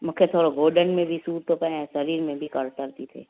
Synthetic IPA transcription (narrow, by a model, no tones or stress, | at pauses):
mʊkʰːet̪ʰoːɾoɡoːɾɖənmẽbʱisuːɾt̪ʰopɛãsɐɾiːɾmẽbʱikɐɾt̪əɾt̪it̪ʰḛː